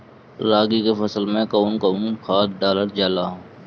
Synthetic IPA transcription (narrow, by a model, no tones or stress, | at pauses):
ɾaːɡikefəsəlmẽkəuːnkəuːnkʰaːt̪̚ɖaːləɾd͡ʒaːlaːɦõː